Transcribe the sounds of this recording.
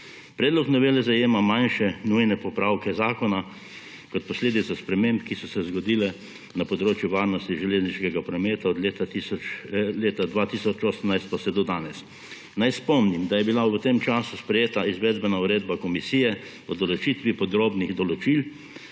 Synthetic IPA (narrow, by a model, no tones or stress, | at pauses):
pɾɛːd̪lɔknɔʋeːlɛzajeːmamãnʃɛnujnɛpɔpɾaːwkɛzaːkɔna | kɔt̪̚pɔsleːd̪it̪saspɾɛmẽmpkisɔsɛzɡɔd̪iːlɛ | napɔd̪ɾoːt͡ʃjʊʋaːɾnɔst̪iʒɛleːzniʃkɛɡapɾɔmeːt̪aɔd̪let̪at̪i | leːt̪ad̪ʋaːt̪isɔt͡ʃoːsəmnajst̪̚pasɛd̪ɔd̪aːnɛs | najspɔmnimd̪ajɛbilaʋət̪emt͡ʃaːsuspɾɛjeːt̪aizʋɛːd̪bɛnauɾeːd̪bakɔmisiːjɛ | ɔd̪ɔlɔt͡ʃit̪ʋipɔd̪ɾoːbniɣd̪ɔlɔt͡ʃil